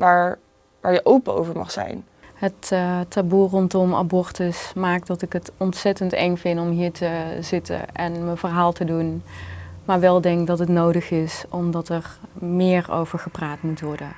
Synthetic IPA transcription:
ʋaːɹ | ʋaːɹjəʔowpəo̰wvəɹmɑ̰χsɛ̰jn | ɦəttaburɔntɔma̰bɔɹtəsmaːk̚dɑtɪkɦətɔntsɛtəntɛŋvɪndɔmɦiːɹtʰəzɪtə̰nʔɛnməvəɹɦaːlˠtədun | maːɹʋɛlˠdɛŋkdɑtɦətnowdəxɪsɔmdɑtɛrmɪːɹo̰wvəɹχəpraːtmutʋɔɹdən

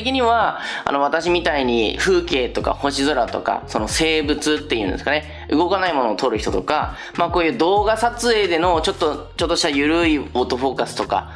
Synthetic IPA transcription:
ekʲiɲ̟iβaa̰no̞β̞at̪aɕimʲit̪aiɲ̟ḭɸɯ̟ːke̞ːt̪o̞ka̰ho̞ɕizoɾat̪o̞̰ka̰so̞no̞se̞ːbɯ̟t͡sɨt̪ːe̞jiɯ̟̃nd̪e̞sɨ̥kane̞ | ɯ̟ɡo̞kanaimo̞no̞ːt̪o̞ɾɯ̟çi̥t̪o̞t̪o̞ka̰ | maːko̞ːjɯ̟ːd̪o̞ːɡasat͡sɨe̞ːd̪e̞no̞t͡ɕo̞t̪ːot͡ɕo̞t̪ːo̞ɕit̪ajɯ̟ɾɯ̟ioːt̪o̞ɸo̞ːkasɨ̥t̪o̞ka̰

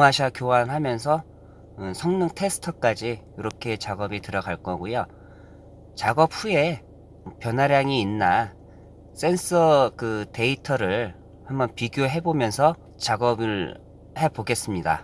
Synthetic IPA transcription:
ŋaɕ̬ʰakjowanɦamjʌnsʰʌ | sʰʌŋnɯŋtʰe̞sʰɯ̥tʰʌk͈ad͡ʑijoɾʌkʰe̞t͡ɕaɡʌbitɯɾʌɡaɭk͈ʌɡujo | t͡ɕaɡʌp̚ɸue̞ | pjʌnaɾjaŋiːnːa | s͈e̞ns͈ʌkɯte̞itʰʌɾɯɭ | hambʌnpiɡjoɦe̞bomjʌnsʰʌ | t͡ɕaɡʌbɯɭ | he̞boɡe̞s͈ɯmɲida̰

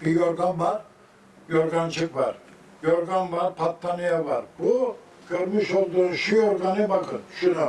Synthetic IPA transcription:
b̥ijoɾɡanvaɾ | joɾɡant͡ʃʰɯkva̰ɾ | joɾɡanvaɾpʰat̪ʰːanijavaɾbu | ɡ̥øɾmiʃolˠd̪uʃujoɾɡanɯbakʰɯnʃuɾa

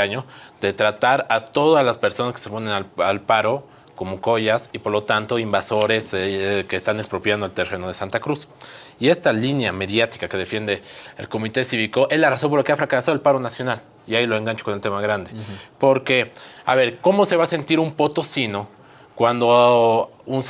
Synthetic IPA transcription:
aɲo̞ð̥e̞t̪ɾat̪aɾat̪o̞ðazlaspe̞ɾso̞naskese̞po̞ne̞naalpaɾo̞ | ko̞mo̞ko̞ʝasipo̞ɾlo̞t̪ant̪oimbaso̞ɾe̞ske̞ːst̪anekspɾo̞pjand̪oalt̪e̞reno̞ð̞e̞sant̪akɾusie̞st̪alinjame̞ðjat̪i̥kake̞ðe̞fje̞nd̪e̞ːlko̞mit̪e̞siβiko̞ʔe̞zlaraso̞mpoɾlakeafɾakasaðlpaɾo̞nasjo̞nal | iailo̞e̞ŋɡant͡ʃokonelt̪e̞maɣɾand̪e̞po̞ɾke̞a̰βe̞ɾko̞mo̞se̞βase̞nt̪iɾumpo̞t̪osino̞ | kwand̪o | uns

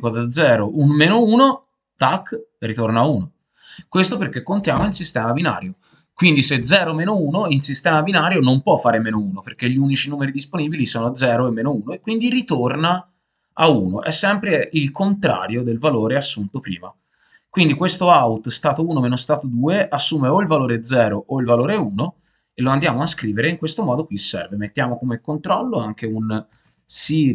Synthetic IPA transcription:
kod̪ad̪zːɛːɾounmeːnouːno | t̪akːrit̪ornaːuːno | kwest̪operk̟ːekːont̪jaːmoinsist̪ɛːmabina̰ːɾjo | kwind̪ised̪zɛːɾomeːnouːnoinsist̪ɛːmabinaːɾjonompwɔfːaːɾemeːnouːnoperk̟eʎːiunit͡ʃinuːmeɾid̪isponiːbilisoːnod̪zɛːɾoemːeːnouːnoekːwind̪irit̪orna | auːnoʔɛsːɛmpɾeilkʰont̪ɾa̰ːɾjod̪elvaloːɾeasːunt̪opɾḭːma | kwind̪ikwest̪oaut̪st̪aːt̪ouːnomeːnost̪aːt̪od̪uːeʔasːuːmeoilvaloːɾeɛd̪zɛːɾoʔoilvaloːɾeuːno | elːoand̪jaːmoaskɾiːveɾeiŋkwest̪omɔːd̪okwisɛ̰rvemet̪ːjaːmokomekːont̪ɾɔlːoaŋk̟eun | si

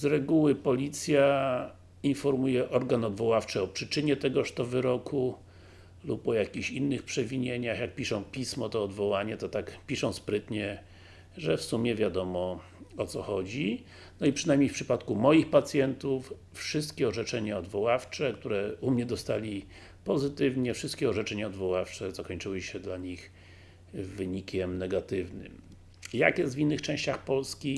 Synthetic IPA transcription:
zɾɛɡuwɘpɔlʲit̪sʲja | infɔɾmujɛʔɔɾɡanɔd̪vɔwaft͡ʂɘɔpʂɘt͡ʂɘɲɛt̪ɛɡɔʂt̪ɔvɘɾɔkʰu | lupɔjakʲiɕinːɘxpʂɛvʲiɲeɲaxjak̚pʲiʂɔ̃w̃pʲismɔt̪ɔːd̪vɔwaɲɛt̪ɔt̪akpʲiʂɔ̃w̃spɾɘt̪ɲɛ | ʐɛfsumʲjɛvʲjad̪ɔmɔ | ɔt̪sɔxɔd͡ʑi | nɔipʂɘnajmɲejfpʂɘpat̪kumɔjixpat̪sʲjɛnt̪uf | fʂɘst̪kʲɛɔʐɛt͡ʂɛɲaɔd̪vɔwaft͡ʂɛkt̪uɾɛumɲɛd̪ɔst̪alʲi | pɔzɘt̪ɘvɲɛfʂɘst̪̚kʲɛɔʐɛt͡ʂɛɲaɔd̪vɔwaft͡ʂɛzakɔɲt͡ʂɘwɘɕɛd̪laɲix | vɘɲikʲɛmnɛɡat̪ɘvnɘ̰m | ja̰kjɛst̪vinːɘxt͡ʂɛ̃w̃ɕt͡ɕaxpɔlskʲi

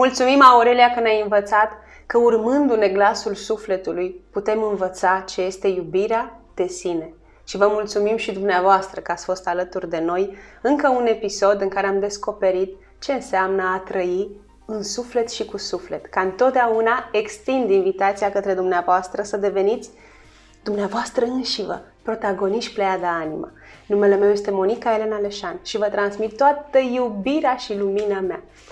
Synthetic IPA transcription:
mult̪sumimauɾelijakəneajɨnvət̪sat̪ | kəurmɨnd̪une̞ɡlasulsufle̞t̪ulujput̪e̞mɨnvət̪sat͡ʃe̞je̞st̪e̞jubiɾead̪̥e̞sine̞ | ʃivəmult̪sumimʃid̪umneavoast̪ɾəkəat̪sʲfo̞st̪alət̪urd̪e̞no̞jɨŋkəune̞piso̞d̪ɨŋkaɾeamd̪e̞sko̞pe̞ɾit̪ | t͡ʃe̞ɨnseamnəat̪ɾəi | ɨnsufle̞t̪ʃikusufle̞t̪kaɨnt̪o̞t̪̚d̪eaunae̞kst̪ind̪invit̪at̪siakət̪ɾe̞d̪umneavoast̪ɾəsəd̪e̞ve̞nit̪sʲ | d̪umneavoast̪ɾəɨnʃivə̰ | pɾo̞t̪aɡo̞niʃt̪plead̪aanḭmʔa̰ | nume̞le̞me̞wje̞st̪e̞mo̞nikae̞le̞nale̞ʃanʃivət̪ɾansmit̪̚t̪ːoat̪əjubiɾeaʃiluminamea̰

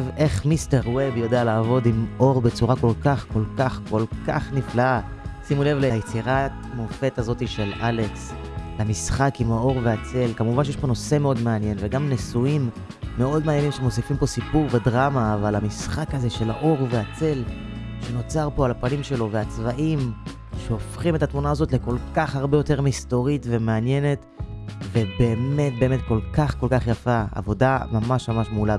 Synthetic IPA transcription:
ve̞χmiste̞ʁwebjo̞dealaːvo̞dimʔo̞ʁbet͡suʁako̞lkaχko̞lkaχko̞lka̰χniflaasimule̞vlejet͡siʁat | mofe̞tazo̞tiʃe̞lale̞kslamisχakimhao̞ʁveat͡se̞lkamuvanʃejeʃpo̞no̞se̞meo̞dmeanje̞nveɡamnesuimː | e̞o̞dmeanje̞nimʃemosifimpo̞sipuʁvedʁamaːvalamisχakaze̞ʃe̞la̰ʔo̞ʁveat͡se̞l | ʃe̞no̞t͡saʁpo̞alapanimʃe̞lo̞veat͡svaʔim | ʃeofχimetatmunaːzo̞tleko̞lkaχhaʁbejo̞te̞ʁmisto̞ʁitve̞meanje̞net | ve̞be̞ːme̞t̚beːme̞t̚ko̞lkaχko̞lkaχjafaa̰vo̞damamaʃmamaʃmula

